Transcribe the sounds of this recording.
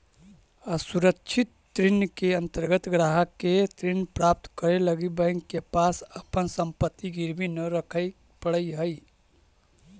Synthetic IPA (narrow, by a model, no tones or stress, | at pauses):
əsuɾəkt͡ʃʰit̪ːɾinjkeə̃nt̪əɾɡət̪ɡɾaɦəket̪ɾinpɾap̚t̪kəɾeləɡibə̃ɪŋɡkepasəpənsəmpət̪ːiɡiɾbʱinəɾəkʰə | pəɽəiɦəj